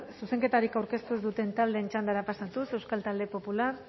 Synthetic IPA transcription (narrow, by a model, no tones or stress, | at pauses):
suse̞ŋke̞t̪aɾikawɾke̞st̪uezd̪ut̪e̞nt̪ald̪e̞ːnt͡ʃand̪aɾapasat̪use̞wskalt̪ald̪epo̞pular